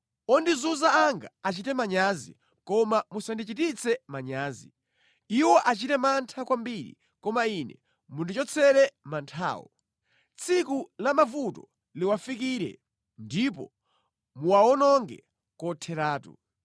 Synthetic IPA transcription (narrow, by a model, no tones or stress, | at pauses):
ɔndizuzaːŋɡa̰at͡ʃitɛmaɲazḭ | kɔmamusandit͡ʃitit͡sʰɛmaɲaːzi | iwɔʔat͡ʃitɛmantʰakwambiɾḭ | kɔmainɛ̰ | mundit͡ʃɔt͡sʰɛɾɛmantʰa̰ːwɔ̰ | t͡sʰikulamavutɔ | liwafikiɾɛ̰ | ndipɔ̰ | muwaɔnɔŋɡɛ | kɔtʰɛɾaːtṵ